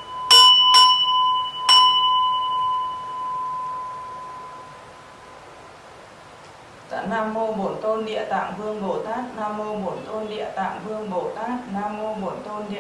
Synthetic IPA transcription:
t̪a̰ː˧˨naː˧mːo˧ɓo˨˦nt̪o˧nɗḭ˧˨ət̪a̰ː˧˨ŋvɨ˧əŋɓo˨˩t̪aː˦˥k̚naː˧mːo˧ɓo˨˩˦nt̪o˧nɗḭ˧˨ət̪a̰ː˧˨ŋvɨ˧əŋɓo˧˩˦t̪aː˦˥t̚naː˧mːo˧ɓo˨˩˦nt̪o˧nɗḭ˧

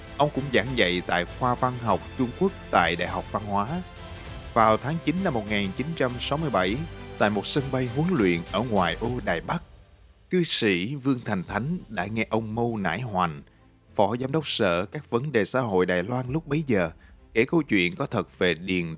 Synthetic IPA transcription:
ʔə˧wŋ͡mkʊ̰˧˥ŋ͡mza̰ː˧˩ŋzə̰˧˨jt̪a̰ː˧˨jxwaː˧va˧nɦa˨˩wk͡p̚t͡ɕʊ˧ŋ͡mku˦˥ək̚t̪a̰ː˧˨jɗa̰ː˧˨jɦa˨˩wk͡p̚va˧nhwaː˨˦ | vaː˨˩wt̪ʰaː˨˦ŋt͡ɕi˨˦nːa˧mːo˨˩t̚ŋaː˨˩nt͡ɕi˨˦nt͡ɕa˧msa˨˦wmɨ˧əjɓa˧˩jt̪a̰ː˧˨jmo˨˩t̚sə˧nɓa˧jɦu˨˦əŋlwḭ˧˨ənʔəː˧˩ŋwaː˨˩jʔo˧ɗaː˨˩jɓa˦˥k̚ | kɨ˧sḭ˧˩˥vɨ˧əŋt̪ʰa˨˩jŋ̟t̪ʰa˨˦jŋ̟ɗa̰ː˧˥ŋɛ˧ʔə˧wŋ͡mmə˧wna̰ː˧˥jhwa˨˩n | fɔ˧˩zaː˧mɗə˦˥wk͡p̚sə̰ː˧˨kaː˦˥k̚və˨˦nɗe˨˩sa̰ː˧˥ɦo̰˧˨jɗaː˨˩jlwaː˧nlʊ˦˥k͡p̚ɓə˨˦jzəː˨˩ke˧˩kə˧wt͡ɕwḭ˧˨ənkɔ˨˦t̪ʰə˨˩t̚ve˨˩ɗi˨˩ən

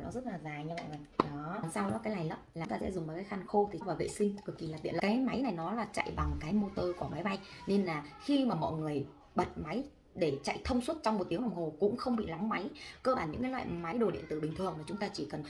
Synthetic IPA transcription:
nɔ˨˦zə˦˥t̚laː˨˩zaː˨˩ɲɨ˧a̰˧˨a˨˩jɗɔ˨˦˨sa˧wɗɔ˨˦kaː˨˦jla˨˩jlə˨˦˥p̚laː˨˦ŋ͡mt̪aː˧˩ɛ̰˧˥zʊ˨˩ŋ͡mmaː˨˩kːjxa˧˩nxo˧t̪ʰi˨˩vaː˨˩wvḛ˧˨sï˧ŋ̟kɨ˨˩əki˨˩laː˨˩t̪ḭ˧˨˧kːaː˨˦jma˨˦jna˨˩jnɔ˨˦laː˨˩t͡ɕa̰˧˨jɓa˨˩ŋkaː˨˦jmo˧t̪əː˧ku˧˩əma˨˦jɓa˧jne˧nlaː˨˩xi˧maː˨˩mɔ̰˧˨jŋɨ˨˩əj | ɓə˨˩t̚ma˨˦j | ɗe˧˩t͡ɕa̰˧˨jt̪ʰə˧wŋ͡mswə˦˥t̚t͡ɕwŋ͡mmo˨˩t̚t̪i˨˦ən˨˩wŋ͡mho˨˩kʊ̰˧˥ŋ͡mxə˧wŋ͡mɓḭ˧˨lɔ˨˦ŋ͡mma˨˦jkəː˧ɓaː˧˩nɲɨ̰˧˥ŋkaː˨˦la̰ː˧˨jma˨˦jɗo˨˩ɗḭ˧˨ənt̪ɨ˧˩ɓï˩ŋt̪ʰɨ˨˩əŋmaː˨˩t͡ɕʊ˨˦ŋ͡mt̪aː˧t͡ɕi˧˩kə˨˩n

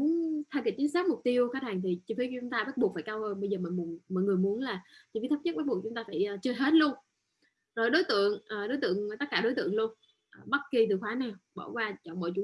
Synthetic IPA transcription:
mu˨˦ənt̪ʰaː˧˩ki˨˧˩t͡ɕi˨˦nsaː˦˥t̚mʊ˨˩k͡p̚t̪i˧əwkaː˦˥t̚haː˨˩ŋt̪ʰi˨˩t͡ɕi˧˩fi˧˦˧t͡ɕʊ˨˦ŋ͡mt̪aː˧ɓaː˦˥ɓk̚faː˧˩jkaː˧whəː˧nɓə˧jzəː˨˩mɔ̰˧˨jmu˨˩nmɔ̰˧˨jŋɨ˨˩əjmu˨˦ənlaː˨˩t͡ɕft̪ə˦˥ɲə˦˥ɓa˦˥t̚ɓk̚t͡ɕʊ˨˦ŋ͡mt̪aː˧faː˧˩jʔːt͡ɕɨː˧ɦe˦˥t̚lu˧ən | zo˨˩jɗo˨˦jt̪ɨ̰˧˨əŋʔəː˨˩ɗo˨˦jt̪ɨ̰˧˨əŋ˩t̪ə˦˥t̚kaː˧ɗo˨˦t̪ɨ̰˧˨əŋlu˧ən | ʔɓa˦˥t̚ki˨˩t̪ɨ˨˩xwaː˨˦naː˨˩wɓɔ̰ː˧˩kwaː˧t͡ɕɔ˧˩mɔ̰˧˨jt͡ɕu˨˧˦

